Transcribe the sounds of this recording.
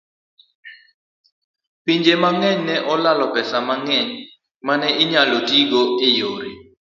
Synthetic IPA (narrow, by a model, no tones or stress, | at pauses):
piɲd͡ʒemaŋɛɲnɛʔɔlalɔpɛsamaŋɛɲ | manɛʔɪɲalotiɡoɪjoɾḭ